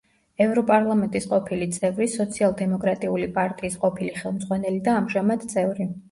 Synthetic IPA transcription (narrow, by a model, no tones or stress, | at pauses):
ɛvɾɔpʼaɾlˠamɛnt̪ʼisqʼɔpʰilit̪sʼɛvɾisɔt̪sʰialˠd̪ɛmɔkʼɾat̪ʼiulipʼaɾt̪ʼiːsqʼɔpʰiliχɛlˠmd̪zʁwanɛlid̪aːmʒamad̪t̪sʼɛvɾi